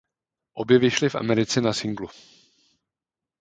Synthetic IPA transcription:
ʔo̞bjɛvɪʃlɪfʔa̰mɛɾɪt͡sɛnasɪŋɡlu

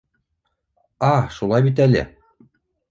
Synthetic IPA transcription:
ɑʃulˠɑjbit̪̬ælɘ̰

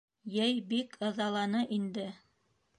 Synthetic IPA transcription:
jɘjbikʰɤ̆ðɑlˠɑnɤʔind̪ɘ

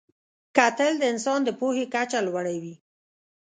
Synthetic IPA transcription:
kat̪əld̪əɪnsɑnd̪əpohekat͡ʃalwaɽawi

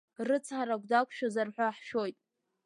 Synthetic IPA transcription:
rɨt͡sʰħaɾaɡʷdakʷʰʃᶣazarħʷaħʃo̞jtʼ

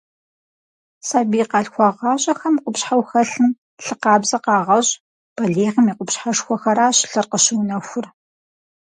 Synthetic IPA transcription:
saːbiːqɑːɬxʷɑʁɑːɕʼɐxɐmqʷʊpɕħawxɐɬɨm | ɬɨqɑːbzɐqɑːʁɐɕ | b̥ɐɮeːʁɐmiqʷʊpɕħaʂxʷɔxɐɾaːɕɪ̥ɬɐrqəɕɪwnɐxʷʊr

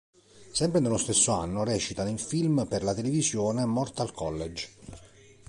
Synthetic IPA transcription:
sɛmpɾenelːost̪esːoa̰nːorɛːt͡ʃit̪anoiɱfilmperlat̪elevizjoːnemɔrt̪alkʰɔlːed͡ʒ

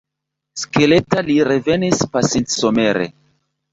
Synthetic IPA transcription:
ske̞letaliɾe̞ve̞nispasintsome̞ɾḛ

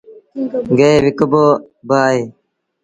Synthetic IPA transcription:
ɡeeːʋɪkboː | baːɦeː

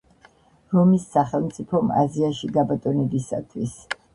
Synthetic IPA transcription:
ɾɔmisːaχɛlˠmt̪sʼipʰɔma̰ziaʃiɡabat̪ʼɔnɛbisa̰t̪ʰwis

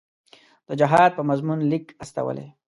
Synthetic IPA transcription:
d̪̥əd͡ʒɪɦɑd̪̚pəmazmunlikast̪a̰wə̰lḛ

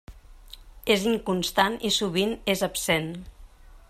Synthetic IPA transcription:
eziŋkunst̪anisuβinezəpsen

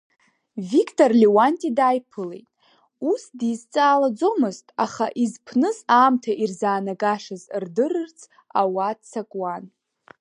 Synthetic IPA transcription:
vikʰʼtʼorlewantʼidajpʰɨle̞̰jtʼ | usdizt͡sʼaːlad͡zo̞mɨztʼaχaʔizpʰnɨzaːmtʰaʔirzaːnaɡaʂɨzrdɨrɨrt͡sʰ | a̰wadt͡sʰakʼwan

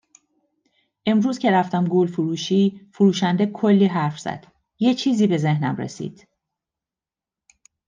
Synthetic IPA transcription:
ʔe̞mɾuːzcʰe̞ɾæft̪æmɡoːlfuɾuːʃiːfuɾuːʃænd̪e̞kʰolːiːɦæɾfz̥æ̰d̪̥ | jet͡ʃʰiːziːbe̞ze̞hnæmrḛsḭːd̪̥

